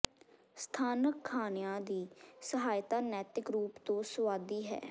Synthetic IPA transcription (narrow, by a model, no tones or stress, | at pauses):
st̪ʰaːnəkʰːaːnɪjãːd̪iːsəɦaːjt̪aːnɛːt̪ɪkɾuːpt̪õːsəʋaːd̪iːɦɛ̰ː